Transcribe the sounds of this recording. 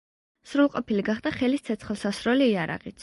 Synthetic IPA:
sɾulˠqʼɔpʰiliɡaχd̪̥aχɛlist̪sʰɛt̪sʰχɛlˠsasɾɔliːaɾa̰ʁit̪s

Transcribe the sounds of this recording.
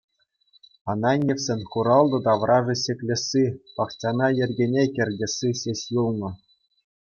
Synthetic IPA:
ɑnɑnʲːefʲsʲenʲχuɾɑlˠd̪ɤ̆d̪ɑʋrʔɑʐɤ̆ɕʲekʲlʲɘ̆sʲːipɑχt͡ɕɑnɑjɘ̆rʲɡʲenʲekʲɘ̆rʲdʲɘ̆sʲːiɕʲeɕʲjulˠnɤ̆

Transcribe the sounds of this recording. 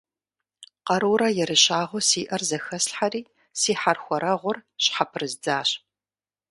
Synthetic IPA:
qɐɾuːɾɐjɛɾɨɕaːʁʷʊsiːʔɐrzɐxɐsɬħariː | siːħarxʷɔɾɐʁʷʊrɕħapʰɨrɨzd͡zaːɕ

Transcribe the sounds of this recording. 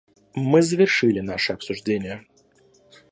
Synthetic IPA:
mɨzəvʲɪrʂɨlʲɪnaʂɨɐpsʊʐdʲenʲɪjə

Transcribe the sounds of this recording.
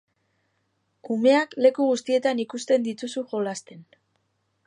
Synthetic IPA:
ume̞akle̞kuɣ̞ust̪ie̞t̪anikust̪e̞nd̪it̪usuʝo̞last̪e̞n

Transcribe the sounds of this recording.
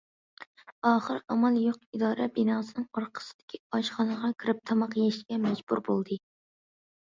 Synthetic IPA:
ɑːχəɾɑmɑlˠjoqid̪ɑːɾɛbinɑːsɨnɨŋoɾqʰə̥sɨ̥d̪̥ɪ̥kʲʰiɑʃχɑnəʁɑkʲʰiɾɪp̚t̪ʰɑmɑqjeʃɡʲɛmɛd͡ʒbṵɾbolˠd̪ɨ

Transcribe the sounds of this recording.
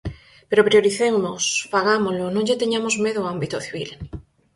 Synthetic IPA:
peɾopɾijoɾiθewnospaɣ̞amolonõŋʎet̪eɲamozmeðoambit̪oθiβ̞il

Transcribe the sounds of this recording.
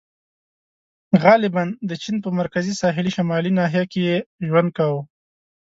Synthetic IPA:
ɣɑlɪband̪ət͡ʃinpəmaɾkazisɑɦɪliʃamɑlinɑɦijakejeʒwand̪̚kawu

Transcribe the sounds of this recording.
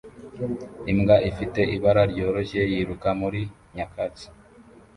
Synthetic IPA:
imɡaʔifite̞ʔiβaɾaɾɟo̞ːɾo̞ʃe̞jiɾukamuɾi | ɲakʰat͡si̥

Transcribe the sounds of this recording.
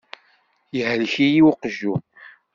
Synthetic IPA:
jəhəlçijiwqʒːum

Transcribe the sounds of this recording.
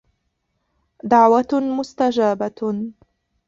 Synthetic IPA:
d̪aʕwamʊst̪ad͡ʒaːba

